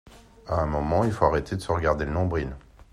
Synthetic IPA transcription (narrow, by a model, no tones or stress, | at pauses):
aɛ̃mɔmɑ̃ilfoaʁet̪ʰed̪əsəʁəɡaʁd̪elənɔ̃bʁil